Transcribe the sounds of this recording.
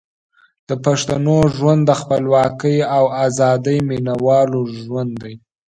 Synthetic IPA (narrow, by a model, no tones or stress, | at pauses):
d̪̥əpaʂt̪anoʒwand̪əxpəlwɑkəjawazɑd̪əjminawɑloʒwand̪d̪aj